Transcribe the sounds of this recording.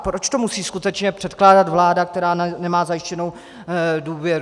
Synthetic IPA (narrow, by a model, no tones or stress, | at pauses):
pɾot͡ʃt̪o̞musiːskut̪ɛt͡ʃɲɛpr̥ɛt̪klaːdat̪vlaːdak̚t̪ɛɾaːnɛmaːzajɪʃcɛno̞w | duːvjɛɾ